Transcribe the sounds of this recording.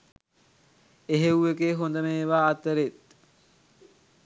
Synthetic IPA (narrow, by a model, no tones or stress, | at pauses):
eɦewuekeːɦond̪əmeːʋaːt̪əɾet̪̚